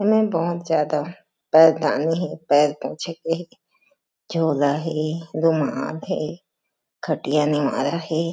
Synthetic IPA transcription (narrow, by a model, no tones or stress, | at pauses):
mɛ̃bɔɦt̪zjaːd̪a | pɛːɾd̪a̰ːniɦɛpɛːlpɔ̰̃ːt͡ʃʰekeɦɛ | d͡ʒʱoːlaɦɛd̪ʊmaːlɦɛː | kʰɐʈijanɪʋa̰ːɾaɦɛː